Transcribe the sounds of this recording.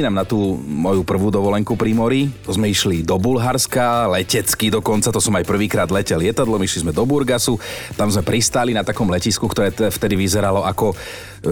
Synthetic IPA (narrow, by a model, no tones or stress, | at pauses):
inamnat̪uːmɔjupr̩ʋuːd̪ɔʋɔlɛŋkupɾimɔɾit̪ɔzmɛiʃlid̪ɔbulɦaɾskalɛcɛt͡skid̪ɔkɔnt͡sat̪ɔsɔmajpr̩ʋiːkɾaːd̪lɛcɛljɛt̪ad̪lɔmiʃlizmɛd̪ɔbuɾɡasut̪amzmɛpɾist̪alinat̪akɔmlɛciskukt̪ɔɾɛːt̪ɛft̪ɛd̪iʋizɛɾalɔʔakɔ